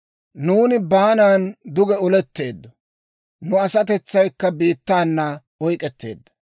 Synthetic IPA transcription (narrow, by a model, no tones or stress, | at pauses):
nuːnɪbaːnaːnd̪ʊɡɛɔlɛt̪ːe̞ːd̪ːɔ | nʊɐsɐt̪ɛt͡sːɐjkːɐbiːt̪ːaːnːɐ | ɔjkʼɛt̪ːe̞̰ːd̪ːɐ̥